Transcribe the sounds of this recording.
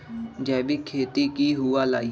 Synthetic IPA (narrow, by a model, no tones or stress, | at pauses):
d͡ʒɛːʋiːkʰeːt̪iːkiːɦʊːaːlaːiː